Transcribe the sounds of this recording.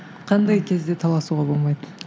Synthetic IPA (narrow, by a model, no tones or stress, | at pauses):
qʰɑnd̪ɑjkʲʰezd̪e̞t̪ʰɑlˠɑsuʁɑbolˠmɑjd̪ə